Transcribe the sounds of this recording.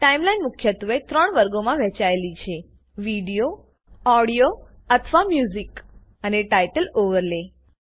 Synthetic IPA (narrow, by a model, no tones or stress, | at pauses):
ʈaimlainmʊkʰjət̪ʋet̪ɾəɳʋəɾɡomãʋɛ̃t͡ʃaelit͡ʃʰe | ʋiɽijo | ɔɽijo | ət̪ʰʋamjuzik | əneʈajʈəloʋəɾle